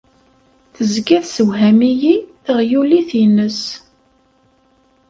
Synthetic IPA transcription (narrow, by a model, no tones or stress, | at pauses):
θəzɡæðsəwɦæmijiθəʁjuliθinəs